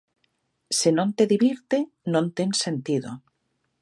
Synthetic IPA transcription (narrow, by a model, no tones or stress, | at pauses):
senõnt̪eðiβiɾt̪e | nõnt̪ensent̪iðo̰